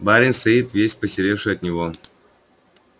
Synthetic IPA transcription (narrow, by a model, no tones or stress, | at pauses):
baɾʲɪnʲst̪ɐjit̪vʲesʲpəsʲɪɾʲefʂɨjɐt̪nʲɪvo